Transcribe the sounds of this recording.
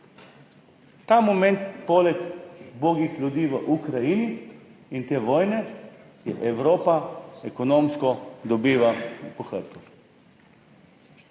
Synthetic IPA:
t̪aːmomɛ̃nt̪polɛkboːɡixlʲud̪iːʋəʔukɾajiːniint̪eːʋɔːjnɛ | jɛ̰ʔɛwɾoːpaɛkonoːmskɔd̪ɔbiːʋapɔxəɾt̪u

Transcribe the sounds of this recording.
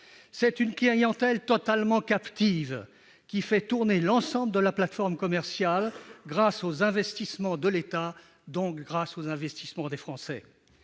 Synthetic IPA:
sɛt̪ynkliʁjɑ̃t̪ɛlt̪ɔt̪almɑ̃kapt̪iv | kʲifɛt̪uʁnelɑ̃sɑ̃bləd̪əlaplat̪fɔʁmkɔmɛʁsjalɡʁasozɛ̃vɛst̪ismɑ̃d̪əlet̪a | d̪ɔ̃kɡʁasozɛ̃vɛst̪ismɑ̃d̪efχɑ̃sɛ̰

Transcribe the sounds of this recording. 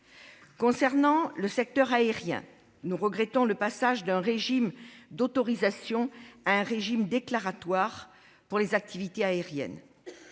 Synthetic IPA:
kɔ̃sɛʁnɑ̃ləsɛk̚t̪œʁaeʁjɛ̰̃ | nuʁəɡʁɛt̪ɔ̃ləpasaʒd̪ɛ̃ʁeʒimd̪ot̪ɔʁizasjɔ̃aɛ̃ʁeʒimd̪eklaʁat̪waʁ | puʁlezak̚t̪ʰivit̪eaeʁjɛ̰n

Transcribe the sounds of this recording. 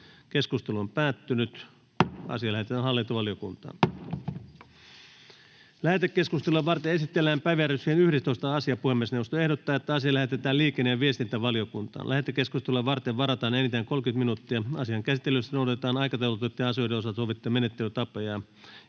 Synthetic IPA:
keskust̪eluompæːt̪ːynyt̪ | ʔɑ̰siɑlæhet̪et̪æːnɦɑlːint̪uʋɑlijokṵnt̪ɑ̰ːn | læhet̪ekːeskust̪elueʋʋɑrt̪eesit̪ːelːæːmpæjʋærysihenyhɾest̪oist̪ɑɑsiɑpuhemːiesnewost̪oe̞hɾot̪ːɑːet̪ːæɑsiɑlæhet̪et̪æːliːkˑenːejɑʋiest̪int̪æʋɑliokunt̪ɑ̰ːnlʔæhet̪ːˑekːeskust̪elueʋʋɑrt̪eʋʋɑɾɑt̪ɑːnenit̪æŋkolkyt̪minut̪ːiɑɑsiɑŋkæsit̪ːelyst̪ænoˑuɾɑt̪et̪ɑːnɑijkɑt̪ɑwɑt̪ut̪ːeɑsiojdeosɑt̪soʋit̪ːumenet̪ːelyt̪ɑpojɑ

